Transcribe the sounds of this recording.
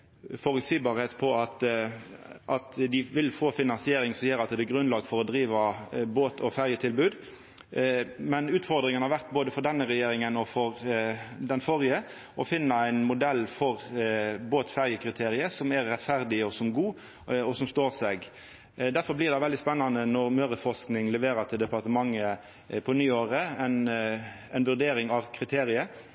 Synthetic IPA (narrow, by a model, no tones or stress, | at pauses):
fɔɾʉlsiːbɑːɾheːt̪pʰɔɑt̪ | ʔɑt̪d̪ɪʋɪlfoːfɪnɑnsɪeːɾɪŋsɔmjøːɾɑt̪d̪ɛɡɾʉnlɑːɡfɔɾɔd̪ɾiːʋɑboːt̪ʰɔfæɾjət̪ʰɪlbʉːd̪ | mɛnʉːt̪fɔɾd̪ɾɪŋənhɑɾʋæɾʁt̪boːd̪əfɔɾd̪ɛnːəɾɛjeːɾɪŋənɔfɔɾd̪ɛnfɔʁjə | ʔɔfɪnːəæɪnmʊd̪ɛlːfɔɾboːt̪fæɾjəkʰɾɪt̪ʰeːɾɪəsɔmæɾːɛt̪fæʁd̪ɪɔsɔmɡuː | ɔsɔmst̪oːʁsɛɡ | d̪æɾfɔɾblɪɾd̪ɛɪʋɛld̪ɪspɛnːɑnənɔɾmøːɾəfɔsknɪŋlɛʋeːɾət̪ʰɪld̪ɛpɑʁt̪əmɑŋːə | pʰɔnyːoːɾəɛn | æɪnʋʉʁd̪eːɾɪŋɑʋkʰɾɪt̪ʰeːɾɪə